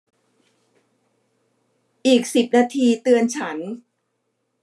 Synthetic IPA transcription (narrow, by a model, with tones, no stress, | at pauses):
ʔiː˨˩k̚si˨˩p̚naː˧t̪ʰiː˧t̪ɯ˧ənt͡ɕʰa˦˥n